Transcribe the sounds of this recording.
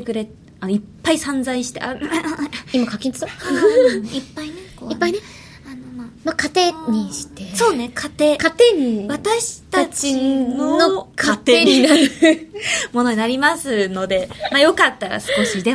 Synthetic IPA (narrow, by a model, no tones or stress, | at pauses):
ekɯ̟ɾe̞ | ano̞ipːaisãnd͡zaiɕi̥t̪ea | imakakʲĩɲt͡sɨ̥t̪o | ipːaineoipːaine | anomamakat̪e̞ɲiɕi̥t̪eso̞ːnekʰat̪e̞kat̪eɲ̟iβat̪aɕi̥t̪at͡ɕinonokat̪eeɲinaɾɯ | mo̞no̞ɲ̟inaɾʲimasɨno̞d̪e̞majo̞kat̪ːaɾa̰sɨ̥ko̞ɕid̪e̞